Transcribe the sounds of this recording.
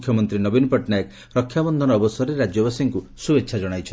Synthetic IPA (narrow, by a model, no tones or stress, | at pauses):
kʰːjɔmɔnt̪ɾinɔbinɔpɔʈnajɔk | ɾɔkʰːjabɔnd̪ʱɔnɔːbɔsɔɾeɾad͡ʒjɔbasiŋkusubetːʃʰad͡ʒɔɽ̃ajt͡ʃʰɔ